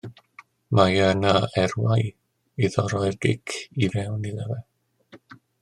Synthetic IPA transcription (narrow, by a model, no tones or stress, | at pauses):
majanaɛrwaj | iðɔɾɔjrɡɪ̰kʰivɛwnilˠɛvɛ